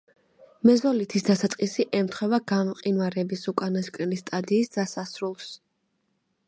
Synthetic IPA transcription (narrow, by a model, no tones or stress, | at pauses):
mɛzɔlit̪ʰisd̪asat̪sʼqʼisiʔɛmt̪ʰχwɛvaɡamqʼinvaɾɛbisukʼanaskʼɾɛlist̪ʼad̪iːsdd̪asasɾulˠs